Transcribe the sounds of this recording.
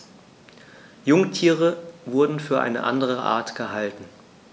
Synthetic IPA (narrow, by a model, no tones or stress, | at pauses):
jʊŋtʰiːʁəvʊɐdn̩fyːɐʔa̰ɪnəʔa̰ndəʁ̞əʔa̰ɐtɡ̥əɦaltn̩